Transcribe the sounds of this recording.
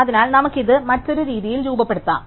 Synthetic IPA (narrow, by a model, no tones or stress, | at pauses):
ɐðinaːlnɐmukːiðɨmɐtːo̞ɾuɾiːðijilɾuːbɐpːe̞ɽut̪ːa̰ː